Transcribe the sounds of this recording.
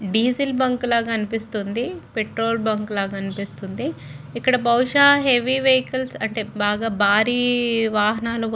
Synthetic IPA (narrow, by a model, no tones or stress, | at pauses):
ɖiːzilbɐŋklaːɡɐɐnipist̪und̪ipeʈɾo̞ːlbɐŋklaːɡɐːnipist̪und̪iikːɐɽɐbʱɐwʂaːɦeʋiʋeɦikɐlsɐɳʈeːbaːɡaːbʱaːɾiːʋaːɦɐnaːlu